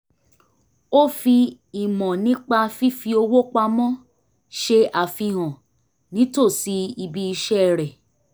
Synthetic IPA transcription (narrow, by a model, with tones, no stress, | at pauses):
o˦fi˧ | i˨mɔ̃˨nĩ˦k͡pa˧fi˦fi˧o˧wo˦k͡pa˧mɔ̃˦ | ʃe˧a˨fĩ˧ɦɔ̃˨ | nĩ˨˦to˦˨si˨˦i˧bi˧i˧ʃɛ˦˨ɾɛ˨